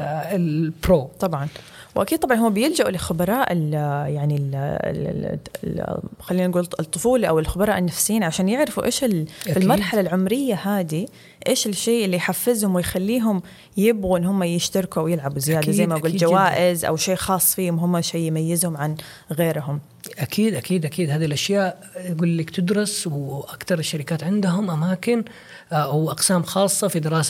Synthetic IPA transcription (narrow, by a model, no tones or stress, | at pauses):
pɾoːt̪ˤɑbʕɑn | wʔakid̪̚t̪ˤɑbʕɑnhuːabɪjɪld͡ʒaʔulɪxʊbɑɾˤɑːʔɪljaʕnil̰ | xalːiːnnɡuːlt̪ˤːʊfuːlʔawɪlxʊbɑɾˤɑːʔɪnːafsjiːnʕaʃaːnjɪʕɾɪfuʔeːʃɪlfɪlmɑɾˤħalalʕʊmɾɪjːahaːd̪i | ʔeːʃɪlʃeːʔɪlːijħafːɪzhʊmwɪjxalːiːɦʊm | jɪbɣuʔɪnːhʊmːajɪʃt̪ɑɾkuʔawjɪlʕabuzɪjaːd̪azajːmajɡuːld͡ʒawaːʔɪzʔa̰wʃeːʔxɑːsˤːfiːhʊmɦʊmːaʃeːjmajːɪzhʊmʕan | ɣeːɾɦʊm | ʔakʰiːd̪ʔakiːd̪ʔakiːd̪haːðilʔaʃjaːʔ | tɡuːlːiːkt̪ɪd̪ɾˤʊswʔakt̪ɑɾˤɪʃːaɾɪkaːt̪ʕɪnd̪ɦʊmʔamaːkɪn | wʔɑqsaːmxɑːsˤːɑfid̪ɪɾɑːs